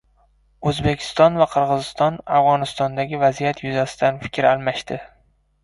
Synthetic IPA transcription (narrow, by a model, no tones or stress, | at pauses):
ɵzbekʲʰɪ̥st̪ɒnvaqʰɨɾʁɨzɪst̪ɒnafʁɒnɪst̪ɒnd̪aɡʲɪvazijat̪ʰjʊzasɪd̪anfɪ̥kʲɾalˠmaʃt̪ɪ